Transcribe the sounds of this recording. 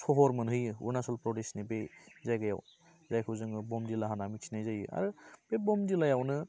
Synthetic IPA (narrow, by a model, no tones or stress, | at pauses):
sʰɔɦɔɾmɯnɦɯjɯṵɾnasɔlpɾɔdesnibezajɡaja̰w | zajkʰɯwzɯŋɯbɔmdilaɦanamisʰinajzajɯ̰a̰ɾɯb̥ebɔmdilajawnɯ